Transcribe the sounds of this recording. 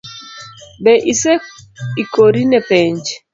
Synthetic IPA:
bɛʔisɛikoɾinɛpɛɲd͡ʒ

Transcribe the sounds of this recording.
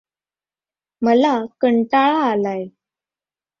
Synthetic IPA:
məlakəɳʈaɭaːlaj

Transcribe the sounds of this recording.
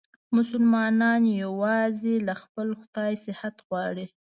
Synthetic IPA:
mʊsʊlmɑnɑnjawɑzelaxpəlxʊd̪ɑjsɪhat̪ɣwɑɽi

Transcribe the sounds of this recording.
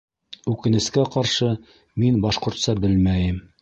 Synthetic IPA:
ʉkɘ̆nɘ̆skæqɒɾʃɤ | minbɒʃqŏɾt̪sɑbɘlmæjɘm

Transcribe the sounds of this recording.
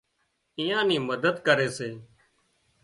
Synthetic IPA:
ijãːniːməd̪əd̪kəɾeːseː

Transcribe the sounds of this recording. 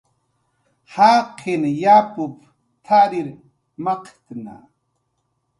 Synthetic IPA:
haːqʰinjaːpup | t̪ʰaːɾiɾ | maqt̪na̰

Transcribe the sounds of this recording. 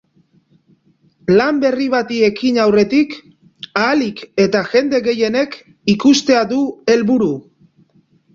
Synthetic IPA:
lambe̞riβ̞at̪ie̞kinawre̞t̪ik | aːlike̞t̪aʝe̞nd̪e̞ɣe̞je̞ne̞k | ikust̪e̞aðue̞lβuɾu

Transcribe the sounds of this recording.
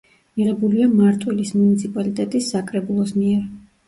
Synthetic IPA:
miʁɛbuliamaɾt̪ʼwilismunit̪sʰipʼalit̪ʼɛt̪ʼisːakʼɾɛbulˠɔsmiɛɾ

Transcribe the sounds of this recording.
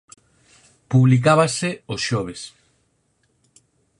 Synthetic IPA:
puβlik̬aβaseosʃoβ̞es

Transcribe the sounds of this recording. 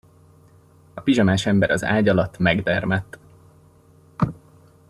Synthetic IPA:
ɒpiʒɒmaːʃɛmbɛɾɒza̰ːɟɒlɒt̪ːmɛɡd̪ɛrmɛt̪ː

